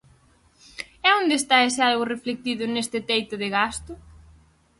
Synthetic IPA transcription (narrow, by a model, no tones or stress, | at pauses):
ɛond̪eːst̪aesɪalɣʊreflek̚t̪iðʊnest̪ɪt̪ejt̪ʊðɪɣast̪ʊ